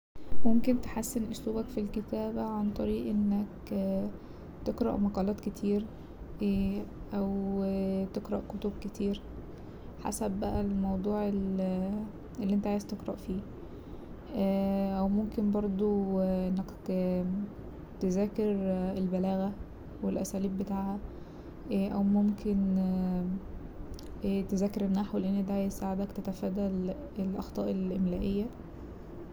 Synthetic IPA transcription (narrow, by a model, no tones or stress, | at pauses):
momkent̪e̥ħasːenʔosluːbækfilket̪æːbæʕant̪ˤɑɾiːʔʔenːæk | t̪eqɾˤɑ̰ʔmɑqɑːlɑːt̪ket̪ʰiːɾ | ʔæw | t̪eqɾˤɑʔkot̪ob̚ket̪ʰiːɾ | ħa̰sæbːæʔælmɑwd̪ˤuːʕel | ʔelːiʔent̪æʕajez̥t̪eqɾˤɑʔfiː | ʔæwmomkenbɑɾˤd̪ˤoʔenːæk | t̪ezæːkeɾelbælæːɣæ | welʔæsæːliːbːet̪aːʕhæ | ʔæwmomkʰen | t̪ezæːkeɾenːaħwleʔenːed̪æʕajezsaːʕed̪ækt̪æt̪æfæːd̪æl | elʔɑ̰xt̪ˤɑːʔelʔemlæːʔejːæ